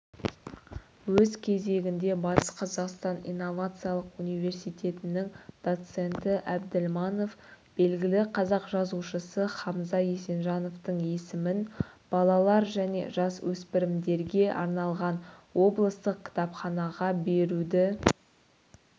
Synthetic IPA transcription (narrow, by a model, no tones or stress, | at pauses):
wɵzkʲʰe̞ze̞ɡʲɪnd̪e̞bɑt̪ə̥sqʰɑzɑqst̪ɑnḭjnːo̞vat̪sɨjalˠəqunijve̞ɾsijt̪e̞t̪ɪnɪŋd̪̥o̞t̪se̞nt̪ɪʔæbd̪ɪlmɑno̞fb̥e̞lɡʲɪlɪqʰɑzɑqʒɑzuʃəsəχɑmzɑjese̞nʒɑno̞ft̪əɴe̞sɪmɪnb̥ɑlˠɑlˠɑɾʒæne̞̰ʒɑswɵspɪɾɪmd̪e̞ɾɡʲe̞ʔɑ̰ɾnɑlˠʁɑnwo̞blˠəst̪əq̚kʲʰɪ̥t̪ɑpχɑnɑʁɑbe̞ɾud̪ɪ